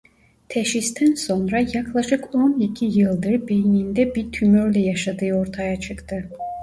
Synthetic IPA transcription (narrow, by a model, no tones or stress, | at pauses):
t̪ʰɛʃist̪ʰænso̞nɾajaklˠaʃɯko̞nicʰijɯlˠd̪ɯɾbejinind̪ɛbiɾt̪ʰymøɾlʲɛjaʃad̪ɯːo̞ɾt̪ʰajat͡ʃʰɯkt̪ʰɯ